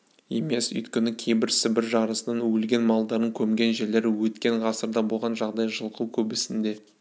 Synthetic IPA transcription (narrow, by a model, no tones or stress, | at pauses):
je̞me̞sʏ̰jt̪kʲenɪkʲʰe̞jbɪɾsɪbɪɾʒɑɾəsənɑnwɵlɡʲe̞nmɑlˠd̪ɑɾəɴkʲʰɵmɡʲe̞nʒe̞ɾle̞ɾɪwɵt̪kʲe̞ɴʁɑsəɾd̪ɑbo̞lˠʁɑnʒɑʁd̪ɑjʒəlˠquwkʲʰɵbɪsɪnd̪e̞